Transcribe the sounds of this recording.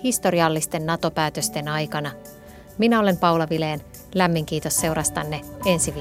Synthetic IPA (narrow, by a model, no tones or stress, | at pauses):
hist̪o̞ɾiɑlːist̪e̞nːɑt̪o̞pæːt̪øst̪e̞nɑjkɑnɑ | minæo̞le̞mpɑwlɑʋile̞ːn | læmːiŋk̟iːt̪o̞sːe̞uɾɑst̪ɑnːe̞e̞nsiʋ